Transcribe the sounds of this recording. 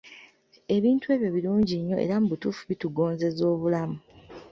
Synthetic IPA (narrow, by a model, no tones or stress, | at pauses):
e̞βiːntue̞ːβjo̞βiluːɲɟiɲːo̞ʔḛɾamubutufuβituɡo̞ːnze̞zo̞ːβulamu